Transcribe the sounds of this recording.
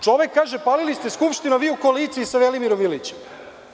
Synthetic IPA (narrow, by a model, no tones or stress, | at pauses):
t͡ʃo̞ʋekːaːʒepaːlilist̪eskupʃt̪inaʋiːukoaliːt̪siːsaʋelimiɾomilit͡ɕem